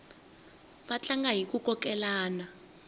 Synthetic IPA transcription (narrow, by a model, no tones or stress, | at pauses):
ɓat͡ɬaŋɡaɦik̬ʼukʼɔk̬ʼɛlaːna